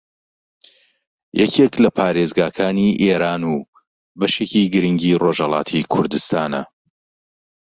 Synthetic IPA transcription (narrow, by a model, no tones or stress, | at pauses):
jɛcʰeklɐpʰaːɾezɡaːkʰaːniʔeːɾaːnuː | bɐʃeːciɡɨɾɨŋɡiːro̞ʒhɑlˠɑ̰ːt̪ʰikʰʊɾd̪ɨst̪aːnɐ̰